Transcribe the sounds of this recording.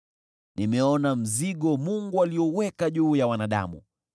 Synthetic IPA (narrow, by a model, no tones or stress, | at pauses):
nimɛɔnam̩ziɠɔmuŋɡualiɔwɛkaʄuːjawanaɗa̰mṵ